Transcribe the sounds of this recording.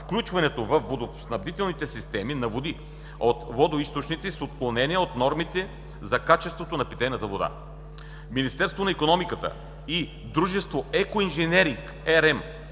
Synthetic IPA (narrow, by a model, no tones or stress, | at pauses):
fklʲut͡ʃvɐnɛt̪ovɐfvod̪osnɐbd̪it̪ɛlˠnit̪ɛsist̪ɛminɐvod̪i | ot̪vɔd̪oist̪ot͡ʃnit̪sisot̪̚klˠonɛniəot̪nɔɾmit̪ɛ | zɐkat͡ʃɛst̪vot̪onɐpit̪ɛjnɐt̪əvod̪a̰ | minist̪ɛɾst̪vonɐikonɔmikət̪ə̰ | i | d̪ɾuʒɛst̪voɛkoinʒɛnɛɾiŋk | ɛɾɛm